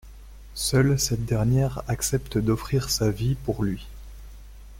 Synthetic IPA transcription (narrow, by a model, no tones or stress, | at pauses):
sœlsɛt̪̚d̪ɛʁnjɛʁaksɛpt̪d̪ɔfχiʁsavipuʁlɥi